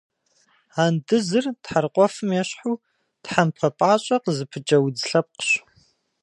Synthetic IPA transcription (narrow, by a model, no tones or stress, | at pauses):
aːndɨzɨrtħarqʷʼɔfɨmjɛɕħuː | tħampʰɐpʼaːɕʼɐqəzɨpʰɨd͡ʒʼɐwd͡zɬɐp̚qə̥ɕ